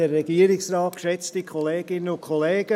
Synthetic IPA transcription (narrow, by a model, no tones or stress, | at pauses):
ɛɾɛɡiːəɾɪksraːt̚kʃɛt͡stikʰoleːɡ̥ɪnənʊkʰoleːɡ̥ə